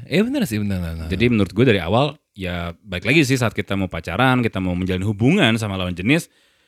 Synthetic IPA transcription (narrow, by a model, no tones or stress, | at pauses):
ibənərsɪhbənərad͡ʒadimənuɾʊt̪̚ɡuadaɾia̰wal | jabaɪklaɡis̬ɪhsaːt̪̚kit̪amaupat͡ʃaɾankit̪amauməɲd͡ʒalanɦubuŋans̬amalawand͡ʒənɪs